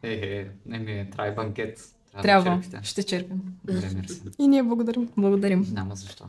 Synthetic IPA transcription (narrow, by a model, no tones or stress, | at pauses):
ɛɦɛnɛmiɛt̪ɾajbɐŋkʲɛt̪t̪ɾat̪ɾʲjabvɐɾt̪ɛʃt̪ɛt͡ʃɛɾpimɛmɾinijɛblˠɐɡod̪aɾimblˠɐɡod̪aɾimnʲamɐzɐʃt̪ɔ̰